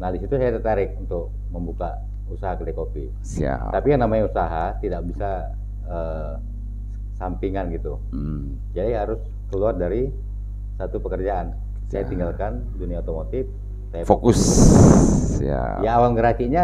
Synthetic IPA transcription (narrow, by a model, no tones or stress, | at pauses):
nahdisit̪usajat̪ərt̪aɾɪk̚unt̪ʊk̚ | məmbuka | usaɦakəlekopḭ | t̪apijaŋnamaɲausaɦat̪idak̚bisa | əː | sampiŋanɡit̪u | d͡ʒadiɦaɾʊs | kəluardaɾi | sat̪upəkərd͡ʒaʔan | sajat̪iŋɡalkan | duniaot̪omot̪ɪf | sajafokʊs | ja̰jaːwalɡəɾakiɲa